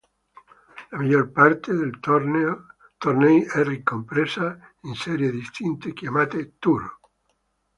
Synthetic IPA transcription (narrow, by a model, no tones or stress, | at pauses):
lamaʎoɾpaɾt̪ʰeðel | t̪oɾnejɛrikːompɾesaenseɾjeðist̪int̪ekjamat̪et̪uɾo